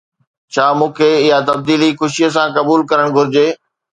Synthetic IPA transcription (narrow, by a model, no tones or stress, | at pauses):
t͡ɕʰaːmũːkʰeɪjat̪ɐb̚d̪iːlixʊʃijəs̬ãkɐbuːlkɐɾəɽ̃ɡʱʊɾɪd͡ʑeː